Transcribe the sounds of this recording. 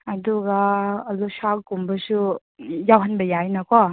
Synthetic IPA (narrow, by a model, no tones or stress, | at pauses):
ɐduɡaːlosakkumbɐsu | jawɦanbɐjajnɐkʰɔ